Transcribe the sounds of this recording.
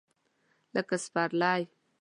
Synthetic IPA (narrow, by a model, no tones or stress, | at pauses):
ləkəspaɾlaj